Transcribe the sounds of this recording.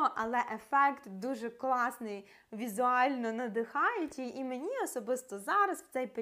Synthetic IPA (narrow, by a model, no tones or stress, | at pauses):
ɔʔɐlˠɛʔefɛkt̪d̪uʒɛklˠɑsnɪj | ʋʲizʊɑlʲnɔnɐd̪ɪxɑjʊtʲiimenʲiɔsɔbɪst̪ɔzɑɾɐswt̪sɛjpe